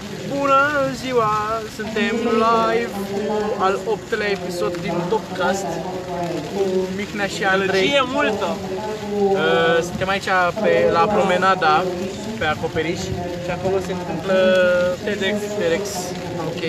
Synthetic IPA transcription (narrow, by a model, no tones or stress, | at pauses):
bunəziwasunt̪e̞mlaevualopt̪əlaepiso̞d̪ːint̪od̪kast̪ | kumixnaʃiaɾejjemult̪ə | əsɨnt̪e̞mait͡ʃapelapɾo̞menad̪a | pe̞ako̞pe̞ɾiʃʲ | ʃiako̞lo̞se̞nt̪ɨmplət̪ed̪ekst̪eɾeks | okʲej